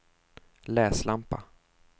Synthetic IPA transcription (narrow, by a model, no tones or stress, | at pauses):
lɛːslampa̰